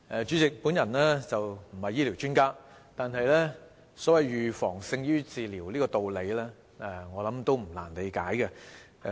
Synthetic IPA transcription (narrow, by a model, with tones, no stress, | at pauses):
ɛ˨˧t͡ʃyː˨˥t͡sɪ˨k̚puː˨˥njɐ˨˩nɛː˥t͡sɐ˨wm̩˨˩hɐ˨jːiː˥li˨˩wt͡ʃyː˥nkaː˥ | t̪aː˨nɦɐ˨jlɛː˥ | sɔː˨˥wɐ˨jjyː˨fɔː˨˩ŋsɪ˧ŋjyː˥t͡siː˨liː˨˩wliː˥kɔː˧t̪o˨wle˨˧jlɛː˥ | ɛ˧ŋɔː˨˧lɐ˨˥mt̪o˥wm̩˨˩la̰ː˨˩nt̪e˨˧kaː˨˥jkɛ˧